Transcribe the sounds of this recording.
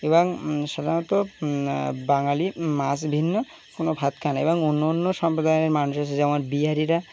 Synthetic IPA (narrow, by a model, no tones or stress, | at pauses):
ebaŋsad̪ʱanɔt̪ɔ | baŋalimasbʱinːɔ | konɔbʱat̪kʰanaebɔŋunːɔnːɔsɔmpɾɔd̪ajneɾmanusasʰezaw̃aɾbiaɾiɾa